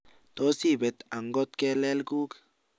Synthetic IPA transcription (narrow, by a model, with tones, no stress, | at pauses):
t̪o˦si˦˨be˨t̪a˨ŋɡo˦t̪̚ke˦le˦lɡu˦k